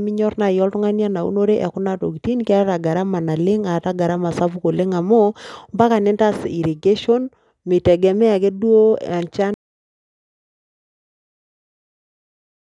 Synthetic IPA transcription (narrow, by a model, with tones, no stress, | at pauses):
mɪ˦ɲɔ˦rna˨jɔ˦ltu˦ŋa˦nja˦na˨ṵ˦no˦ɾe˦ʔɛ˨kʊ˦na˦to̰˨ki˨ti˦nika˦ta˨ɡa˨ɾa˦ma˨na˨lɪ˦ŋa˨ta˦ɡa˨ɾa˦ma˨sa˦pu˦ko˨le˦ŋa˨mo˦mba˦ka˨nɛ˦nta˦si˨ɾi˨ɡe˦ʃo˦n | mɪ˨tɛ˨ɡɛ˨mɛ˦a˨kɛ˦du˦o˦a˨nt͡ʃa˦n